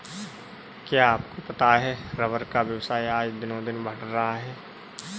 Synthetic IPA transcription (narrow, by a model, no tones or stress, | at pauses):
kjaːpkopɐt̪aɦɛːɾɐʋəɾkaʋjəwsaːiaːd͡ʒd̪ɪnõd̪ɪnbʱəɽɾɐɦaɦɛː